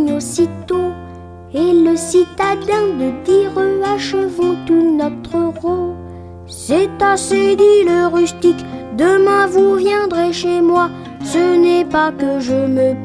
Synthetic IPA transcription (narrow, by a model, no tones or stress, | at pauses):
ɲosit̪o | eləsit̪ad̪ɛ̃d̪əd̪iʁəaʃəvɔ̃t̪unɔt̪χəʁo | sɛt̪ased̪iləʁyst̪ikd̪əmɛ̃vuvjɛ̃d̪ʁeʃemwa | sənɛpakəʒəmə